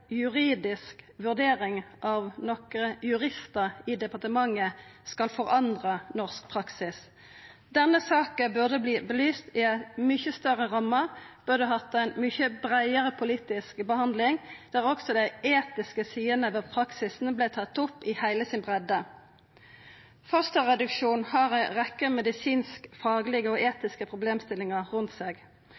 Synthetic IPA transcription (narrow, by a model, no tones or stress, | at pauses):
jʉʁiːd̪ɪskʋʉʁd̪eːʁɪŋʔɑʋnɔkəjʉʁɪst̪əʁɪd̪ɛpɑʁt̪əmɑŋːəskɑlfɔʁɑnd̪ʁənɔʁsk̚pʰʁɑksɪs | d̪ɛnːəsɑːkəbʉʁd̪əbliːbəlyːst̪ɪæɪt̪mʏçəst̪œʁəʁɑməb̥ʉʁd̪əɦɑt̪ːæɪnmʏçəbʁæɪəʁəpʰʊliːt̪ɪskbəhɑnd̪lɪŋd̪̥ɛæʁɔksɔd̪æɪeːt̪ɪskəsiːənəʋɛpʰʁɑksɪsn̩blɪt̪ʰɑt̪ːʊpːɪhæɪləsɪnbʁɛd̪ːə | fœʁst̪ɑʁɛd̪ʉkʃuːnhɑːʁæʁɛkːəmɛd̪ɪsiːnskfɑːɡəlɪɡəɔʔeːt̪ɪskəpʰʁʊbleːmst̪ɪlːɪŋɑʁʉnt̪seːɡ